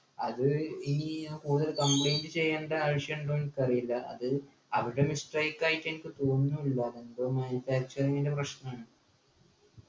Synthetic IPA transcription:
ɐðɨiːkuːðɐlkɐmbɭejndɨt͡ɕe̞jːaːɳɖɐːɻʂjɐɳɖoːnkɐrijilːɐʔɐ̰ðɨ | ɐʋiɽemisʈrɐjkːaːjitːenikːɨt̪oːnːuilːɐðenbomɐnifaːk̚t͡ɕɐɾɐŋinde̞prɐɕnɐaːɳɨ

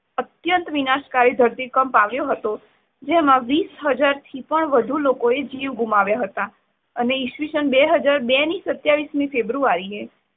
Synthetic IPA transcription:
ət̪jənt̪ʋinaʃkaɾid̪ʱəɾt̪ikəmpaʋjoɦət̪o | d͡ʒemãʋisɦəd͡ʒaɾt̪ʰipəɳʋəd̪ʱulokoed͡ʒiʋɡumaʋjaɦət̪a | əneɪʃʋiʃənbeɦəd͡ʒaɾbɛnisət̪jaʋismĩfebɾuaɾie

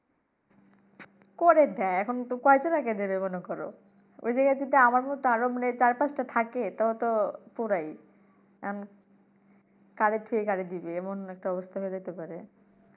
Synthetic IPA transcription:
koɾed̪ɛɛkʰont̪okɔet͡ɕonaked̪ebemonekɔɾo̰ | o̰jd͡ʑaɡajt̪it̪eamaɾmɔt̪oaɾomanet͡ɕaɾpat͡ɕʈat̪ʰaket̪aot̪opoɾaj | n | kaɾeʈʰiekaɾed̪ibeɛmonɛk̚ʈaɔbost̪ʰaɦoed͡ʑat̪epaɾe

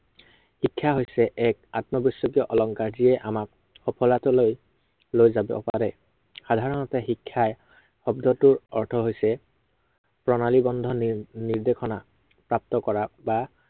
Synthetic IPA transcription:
hikʰːaɦojsɛʔɛkatmɔbɔsːɔkijɔʔɔlɔŋkaɹdijɛʔamak̚ | xɔpʰɔlatɔloj | lojzabɔ̰pa̰ɹɛ | xadʱaɹɔnɔtɛxikʰːaj | xɔbdʱɔtʊɹɔɹtʰɔɦojsɛ | pɹɔnalibɔndʱɔniɹdekxʰɔna | pɹap̚tɔkɔɹaba

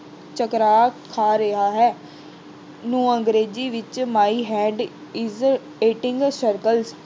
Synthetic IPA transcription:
t͡ʃəkɾaːkʰaːɾəɦaːɦɛː | nũːəŋɡɾeːd͡ʒiːʋɪt͡ʃmaːiɦɛːɖ | ɪz | eːʈɪ̃ŋɡsəɾkəls

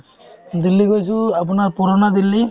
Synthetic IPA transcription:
d̪ilːiɡɔjsʰuapɔnaɾpɔɾonad̪ilːi

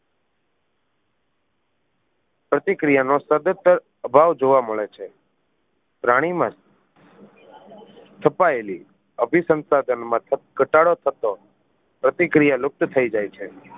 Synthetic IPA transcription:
pɾət̪ikɾijanosəd̪ət̪ːəɾ | əbʱaʋd͡ʒoʋaməɭet͡ʃʰe | pɾaɽ̃imã | t̪ʰəpaeli | əbʱisə̃nsad̪ʱənmãɡʱəʈaɽot̪ʰət̪o | pɾət̪ikɾijalʊk̚t̪t̪ʰəid͡ʒajt͡ʃʰe

